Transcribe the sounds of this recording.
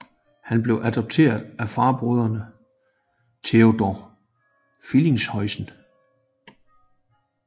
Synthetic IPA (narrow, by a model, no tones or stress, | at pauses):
hænb̥le̝ʊʔæd̥ɒ̽b̥̚t͡sʰe̝̰ɐðˠæfɑ̈ːb̥ʁoð̞ˠɐnə | t͡sʰe̝o̝d̥ɒ | file̝ŋshɒ̽ɪsn̩